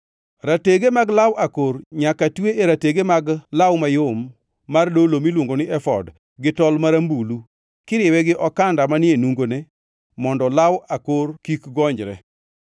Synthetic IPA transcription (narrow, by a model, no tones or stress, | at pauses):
ɾateɡemaɡlawʔakoɾɲakatweeɾateɡemaɡlawmajomː | ardolomilwoŋɡonɪʔɛfɔ̰d | ɡɪtɔlmaɾambulu | kɪɾjewɛɡɪʔɔkandamanɪenuŋɡonɛ | mɔndɔlawakoɾkikɡɔɲd͡ʒɾɛ̰